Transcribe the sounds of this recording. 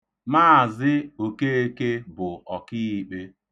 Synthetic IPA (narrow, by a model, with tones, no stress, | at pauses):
ma˦˨zɪ˦o˨ke˦e˦ke˦bʊ˨ɔ˨kɪ˦i˦k͡pe˦